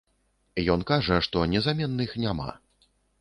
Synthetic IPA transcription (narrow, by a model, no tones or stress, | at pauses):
jɔnkaʐɐʂt̪ɔnʲɛzamʲɛnːɨxnʲama̰